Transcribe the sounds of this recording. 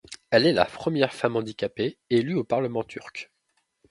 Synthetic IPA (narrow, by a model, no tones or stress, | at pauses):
ɛlɛla̰pχəmjɛʁfamɑ̃d̪ikʲapeelyopaʁləmɑ̃t̪ʰyʁk